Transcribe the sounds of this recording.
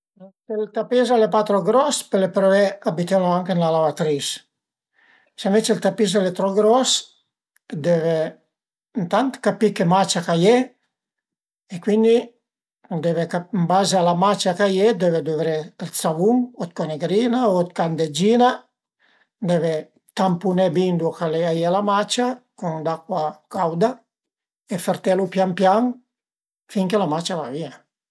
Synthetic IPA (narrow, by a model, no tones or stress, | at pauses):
telt̪apizalepat̪ɾɔɡɾɔspɛlepɾɔvɛkabit̪ɛloaŋkenlalavat̪ɾis | senvɛt͡ʃelt̪apis̬alɛt̪ɾɔɡɾɔs | d̪ɛvɛ | nt̪ant̪kapikemat͡ʃakaje | ɛkwind̪i | d̪ɛvekambazaalamat͡ʃakajed̪ɛved̪uvɾɛlt̪savuŋɔt̪̚kɔneɡɾiːnaot̪kand̪ed͡ʒiːna | d̪ɛve | t̪ampunɛbind̪ukalɛajɛlamat͡ʃakund̪akːwakawd̪a | efeɾt̪ɛlupjampjaŋ | fiŋkelamat͡ʃalavia